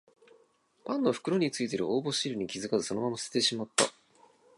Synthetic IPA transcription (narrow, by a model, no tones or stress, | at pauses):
pãnːo̞ɸɯ̟̥kɯ̟ɾo̞ɲ̟it͡sɨit̪e̞ɾɯ̟oːbo̞ɕiɾɯ̟ɲ̟ikʲizɨkazɨso̞no̞mamasɨ̥set̪e̞ɕimat̪ːa̰